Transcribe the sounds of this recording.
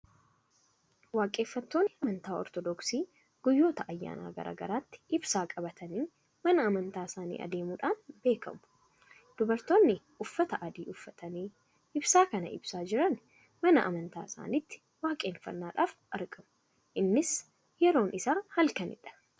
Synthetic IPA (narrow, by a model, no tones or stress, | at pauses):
waːkʼe̞ːfːɐt̪ːo̞ːnːɪɐmɐnt̪aːɔ̰ɾt̪ɔd̪ɔksiː | ɡ̥ʊjːo̞ːt̪ɐʔɐjːa̰ːna̰ːɡɐ̰ɾʔa̰ːɡɐ̰ɾaːt̪ːɪ̥ʔɪbsaːkʼɐbɐt̪ʰɐniː | mɐnɐːmɐnt̪aːɪsaːnḭːʔɐ̰d̪e̞ːmuːᶑaːnbe̞ːkɐ̰mʊ̥ | d̪̥ʊbɐɾt̪o̞ːnːɪʔʊfːɐt̪ɐʔɐd̪iːʊfːɐt̪ɐniː | ʔɪbsaːkɐnɐ̰ʔɪ̰bsaːd͡ʒɪɾɐn | mɐnɐʔɐ̰mɐnt̪a̰ːɪsa̰ːnɪt̪ːɪ̥ | waːkʼeːnfɐ̰nːaːᶑaːfʔɐɾɡɐmʊ̥ | ʔɪnːɪs | jɛɾo̞ːnʔɪsaːhɐlkɐnɪ̰ᶑɐ̥